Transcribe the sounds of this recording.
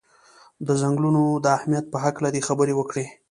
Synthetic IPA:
d̪əzaŋɡlunod̪əahmijat̪̚pəɦaklad̪exabəɾewəkɽe

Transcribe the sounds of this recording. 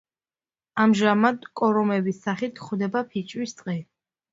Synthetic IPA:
amʒamad̪kʼɔɾɔmɛbisːaχit̪ʰχwd̪ɛbapʰit͡ʃʼwist̪ʼqʼi

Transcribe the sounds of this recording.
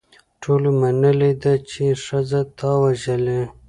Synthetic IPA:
ʈʰolomanəled̪at͡ʃeʂazat̪ɑwaʒəle

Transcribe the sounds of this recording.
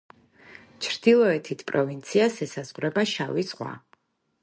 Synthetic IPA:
t͡ʃʰɾd̪̥ilˠɔɛt̪ʰit̪ʰpʼɾɔvint̪sʰiasɛsaz̥ʁɾɛbaʃavisʁwa̰

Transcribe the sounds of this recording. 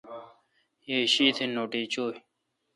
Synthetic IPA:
jeɕiːt̪ʰenoːʈiːt͡ɕoː

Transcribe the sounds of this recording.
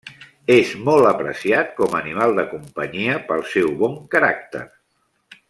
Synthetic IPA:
ezmɔlˠt̪əpɾə̰siat̪̚kɔmənimalˠd̪əkumpəɲiəpəlˠsɛwβɔŋkəɾa̰k̚t̪ə̰ɾ

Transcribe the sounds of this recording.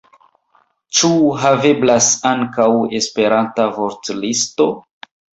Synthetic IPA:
t͡ʃuɦave̞blasaŋkawe̞spe̞ɾantavo̞ɾtlisto̞

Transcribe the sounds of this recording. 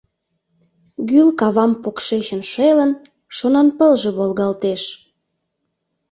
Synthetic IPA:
ɡylkɑβɑmpokʃet͡ɕənʃelən | ʃonɑnpəlʒĕβolɣɑlt̪eʃ

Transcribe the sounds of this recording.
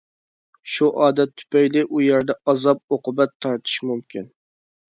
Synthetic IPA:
ʃuʔɑːd̪ɛt̪ʰːy̥pɛjlɪʔujɛɾd̪ɛɑzɑp̚oqʊbɛt̪ʰːɑɾt̪ʰɨ̥ʃmumkʲʰin

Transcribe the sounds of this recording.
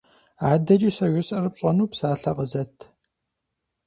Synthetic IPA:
aːdɐt͡ʃʼiːsɐʒɪsʼɐrɨp̚ɕʼɐnuːpsaːɬɐqəzɐtʰ

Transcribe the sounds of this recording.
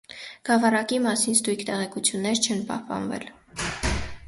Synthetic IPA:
ɡ̥ɑvɑrɑkimɑsinst̪ujkʰt̪ɛʁɛkut͡sʰjunːɛɾt͡ʃʰɛnpɑ̰hpɑ̰nvɛ̰l

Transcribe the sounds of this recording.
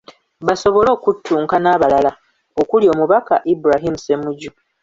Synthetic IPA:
βaso̞βo̞lo̞ːkutʰːuːŋkanaːβalala | okulio̞ːmuβaka̰ʔibɾaɦimuse̞muɟu

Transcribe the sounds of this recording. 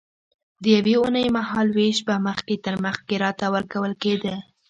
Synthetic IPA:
d̪əjaweunəjmaɦɑlweʃbaməxket̪əɾməxkeɾɑt̪awəɾkawəlked̪ə

